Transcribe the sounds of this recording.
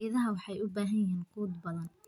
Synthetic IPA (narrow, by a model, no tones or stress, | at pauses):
ɪðɐɦɐwɑħɑjʊbaːɦɐjiːnkʰuːd̪bɐðɐn